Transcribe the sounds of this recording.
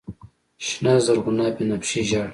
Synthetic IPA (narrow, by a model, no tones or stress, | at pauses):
ɕnaːzɐɾɣunaːpinɐpɕiʑaːɽ